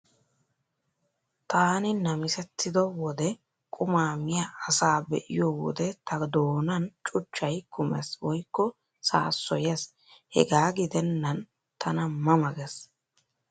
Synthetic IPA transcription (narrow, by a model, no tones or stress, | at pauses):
t̪aːnɪnɐmɪsɛt̪ːɪd̪ɔwɔd̪ɛ | kʼʊmaːmɪjaːsaːbɛ̰ʔɪ̰jowɔ̰d̪ɛt̪ʰɐd̪oːnɐnt͡ʃʼʊt͡ʃːɐjkʊmɛ̰swɔjkːɔ | sa̰ːsːɔjɛs | hɛ̰ɡaːɡɪd̪ɛnːɐn | t̪ʰɐnɐmɐmɐɡɛs